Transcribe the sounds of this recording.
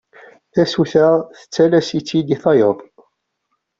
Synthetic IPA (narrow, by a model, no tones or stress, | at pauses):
θæsuθæʁθə̥t͡sːælæsit͡sːid̪iθɑjəðˤ